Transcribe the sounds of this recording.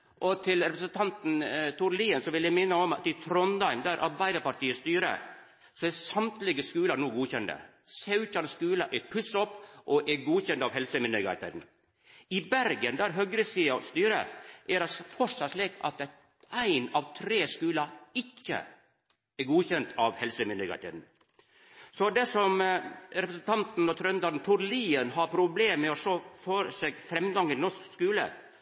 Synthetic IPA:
ʔɔt̪ʰɪlɾɛpɾəsənt̪ʰɑnt̪n̩t̪ʰʊɾliːənsɔʋɪljæɪmɪnːəɔmɑt̪ɪt̪ʰɾɔnd̪ɑɪmd̪æɾʔɑɾbæɪd̪əɾpɑʈiːəst̪yːɾə̰ | sɔɛsɑmt̪lɪɡəskʉːlɑnuːɡuːçɛnd̪ə̰ | sɑʉʉçɑnskʉːləʔɛpʰʉsɔpːʔɔʔɛɡuːçɛnt̪ɑʋɦɛlsəmɪnœɡɑ̰ɪt̪ʰḛːt̪n̩ | ɪbæɾɡənd̪æɾɦœɡɾəsiːɑst̪yːɾə̰ʔɛɾɑfɔʂɑslekɑ̰t̪̚ɛ | æɪnɑʋt̪ʰɾeːskʉːlɑɪkːə̰ | ɛɾɡuːçɛnt̪ʰɑʋhɛlsəmɪnd̪əɡæ̰t̪ɛ̰d̪n̩ | sɔd̪ɛsɔmɾɛpɾəsnt̪ʰɑnt̪n̩ɔt̪ʰɾœnd̪ɑɾnt̪ʰʊɾliːənɦɑɾpʰɾʊbleːmmɛɔʂoːføːɾsɛɡfɾɛmɡɑŋɪlnɔʂkskʉːlə̰

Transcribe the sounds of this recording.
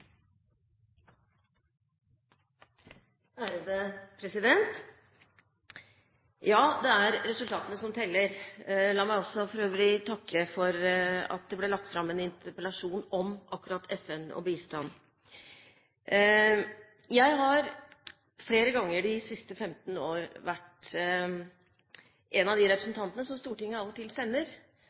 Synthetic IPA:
hæɾəd̪əpʰɾɛsɪd̪ɛnt̪ | jɑːd̪ɛæɾɾɛsʉlt̪ɑːt̪ənəsɔmt̪ʰɛlːəɾlɑːmæɪɔsːɔfɔɾøːʋəlɪt̪ʰɑkːəfɔɾɑ̰t̪̚d̪ɛblɛɭɑkt̪fɾɑmːɛnɪnt̪ʰəɾpəlɑʂuːnɔmʔɑkːʉɾɑt̪ʰːɛfɛnɔ̰biːst̪ɑn | jæɪɦɑɾ | fleːɾəɡɑŋːəɖɪsɪst̪əfɛmt̪n̩oːɾʋæʈ | ʔɛnɑd̪ɪɾɛpɾəsn̩t̪ʰɑnt̪ənəsɔmst̪uːʈɪŋːəɑlt̪ɪlsɛnːəɾ

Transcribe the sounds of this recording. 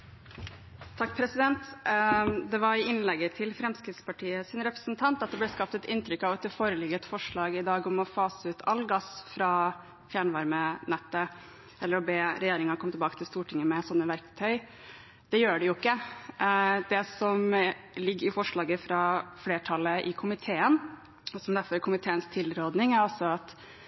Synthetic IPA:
t̪ʰɑkːpʰɾɛsɪd̪ɛnt̪ | d̪ɛʋɑɾɪɪnlɛɡːət̪ʰɪlfɾɛmskɾɪt̪spɑʈʰiːəsɪnɾɛpɾəsnt̪ʰɑnt̪ɑt̪̚d̪ɛblɛskɑp̚t̪ɛt̪ɪnt̪ʰɾʏkːɑʋɛt̪foːɾəlɪɡət̪fɔʂɭɑːɡɪd̪ɑːɡɔmɔfɑːsəʉːt̪ʰɑlːɡɑsfɾɑ | fjæːɳʋɑɾmənɛt̪ːə | ʔɛlːəɾɔbeːɾɛjeːɾɪŋɑkʰɔmət̪ɛbɑːkət̪ʰɪlst̪uːʈʰɪŋːəmɛsɔnːəʋæɾkt̪ʰœʏ | d̪ɛjøːɖɛjʊɪkːə | d̪ɛsɔmlɪɡːɾɪfɔʂɭɑːɡəfɾɑfleːʈʰɑlːəʔɪkʰʊmɪt̪ʰeːən | ɔsɔmd̪æɾfɔɾæɾkʰʊmɪt̪ʰeːənst̪ʰɪlɾoːd̪nɪŋæɾɑlsɔɑt̪

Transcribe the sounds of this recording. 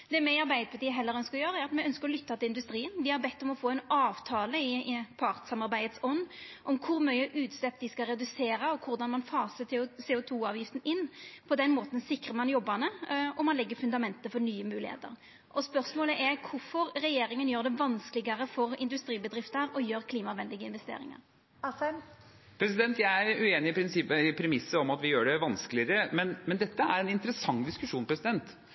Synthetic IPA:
d̪ɛmɛɪɑɾbæɪd̪əpʰɑt̪iːəɦɛlːəɾœnskəɾɔjøːɾəæɾɑt̪mɛœnskəɾɔlʏt̪ːɑt̪ʰɪlɪnd̪ʉst̪ɾiːənd̪ɪhɑɾbɛt̪ːɔmɔfoːɛɪnɑːʋt̪ʰɑːləɪpʰɑʁt̪sɑmɑɾbæɪət̪sɔnːʔɔmkʰʊɾmœʏəʔʉːt̪slɛp̚d̪ɪskɑɾɛd̪ʉseːɾəɔkʰʊɾd̪ɑnmɑnfɑːsəsɛːʊt̪ʰuːɑːʋjɪft̪n̩ɪnːpʰɔd̪ɛnmoːt̪ən̩sɪkːʁəmɑnjɔbːɑnəɔmːɑnlɛɡːəfʉnd̪ɑmɛnt̪əfɔɾnyːəmʉːlɪ̰hḛːt̪ə̰ɾ | ʔɔspœʁsmoːləʔɛɾkʰʊfɔɾɾɛjeːɾɪŋənjøːʁɾd̪ɛʋɑnsklɪɡəɾəfɔɾɪnd̪ʉst̪ɾiːbəd̪ɾɪft̪əɾɔjøːɾkʰliːmɑʋɛnd̪ɪɡəɪnʋɛst̪ḛːɾɪ̰ŋɑ̰ɾ | pʰɾɛsɪd̪ɛnt̪jæɪæɾʉeːnɪɪpʰɾɪnsɪpːəɪpʰɾɛmɪsːəɔmɑt̪ʋɪjøːɖɛʋɑnsklɪɾəmɛnmɛnd̪ɛt̪ːəæ̰ɾɛnɪnt̪əɾəsɑŋd̪ɪskʉʂuːnpʰɾɛsɪd̪ɛnt̪

